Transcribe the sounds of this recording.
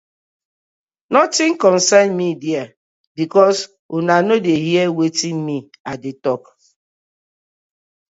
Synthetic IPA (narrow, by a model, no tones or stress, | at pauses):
nɔtɪ̃ŋkɔnsanmidia | bikɔs | onanodeɦiewetinmi | adɪtɔk